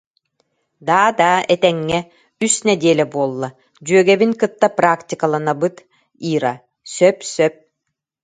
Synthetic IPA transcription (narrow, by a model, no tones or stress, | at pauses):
d̪aːd̪aːʔɛt̪ɛŋːɛ | ysnɛd̪iɛlɛbuɔlˠːa | d͡ʑyœɡɛbinkɯt̪ːapɾakt̪ʲikalˠanabɯt̪ | iːɾa | sœpsœp̚